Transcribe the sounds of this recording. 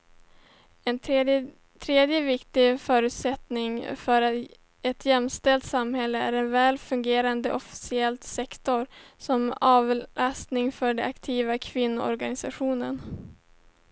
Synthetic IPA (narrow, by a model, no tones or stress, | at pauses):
ɛn | t̪ʰɾeːd̪jəvɪkt̪ɪfœːɾʉ̟ːt̪sɛt̪nɪŋfœɾ | ɛt̪jɛmst̪ɛlt̪samhɛlːəæ̰ɾɛnvɛːlfɵŋɡeːɾand̪əʔɔfɪ̥sɪɛlt̪sɛkt̪ɔɾsɔmɑːvlast̪nɪŋfœɖɛakt̪ʰiːvakʰvɪnːʊ̰ɔ̰ɾɡanɪsaɧuːnən